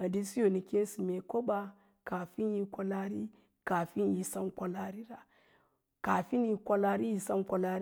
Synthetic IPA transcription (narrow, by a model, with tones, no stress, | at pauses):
a˨di˦si˦jo˨ni˨ki˦n˦si˨me˨ko˦ba˨ | ka˨fi˦nji˦kʷa˦la˦ɾi˦ | ka˨fi˦nji˨sa˦nkʷa˦la˦ɾi˦ɾa˨ | ka˨fi˦n˦ji˦kʷa˦la˦ɾi˦ji˨˦sa˦nkʷa˨la˦ɾ